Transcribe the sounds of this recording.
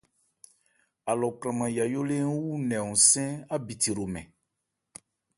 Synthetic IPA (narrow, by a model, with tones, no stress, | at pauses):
a˨lɔ˨kɾã˨mã˨ja˨jo˦le˦n˦wu˦nɛ̃˨ũ˨sɛ̃˦a˦bi˨ti˨ɾo˨mɛ̰̃˨